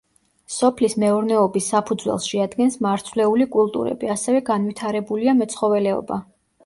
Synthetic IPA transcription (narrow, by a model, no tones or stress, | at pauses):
sɔpʰlismɛɔɾnɛɔbisːapʰud̪zwɛ̰lˠsʃɛad̪ɡɛnsmaɾt̪sʰvlɛulikʼulˠt̪ʼṵɾɛ̰biasɛvɛɡanvit̪ʰaɾɛbuliamɛt̪sʰχɔvɛlɛɔ̰ba